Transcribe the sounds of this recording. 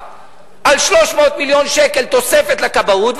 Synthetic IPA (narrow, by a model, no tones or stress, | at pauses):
ʔalʃlo̞ʃmo̞ːt̪miljo̞nʃekelt̪o̞se̞fe̞t̪lakabaut̪v